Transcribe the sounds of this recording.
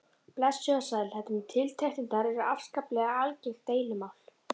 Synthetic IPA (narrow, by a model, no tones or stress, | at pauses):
plɛsœðasaðlhɛt̪ʏmt̪ʰɪlt̪ʰɛht̪ɪnt̪aɾɛɾʏafskaplɛɣaalcɪlt̪eːjlɪmawl̥